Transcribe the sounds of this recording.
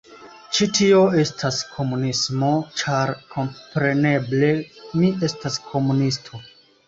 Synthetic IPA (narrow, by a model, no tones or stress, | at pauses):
t͡ʃitio̞e̞stʰaskʰo̞munismo̞t͡ʃaɾkʰo̞mpɾe̞ne̞ble̞miʔe̞staskʰo̞munistʰo̞